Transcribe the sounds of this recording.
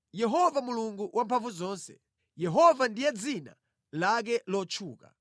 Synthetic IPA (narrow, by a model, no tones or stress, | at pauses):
jɛɦɔvamuluŋɡuwʔampʰaɱvuzɔːnsɛ̰ | jɛɦɔvandijɛd͡zina̰ | lak̬ɛlɔt͡ʃʰuːka̰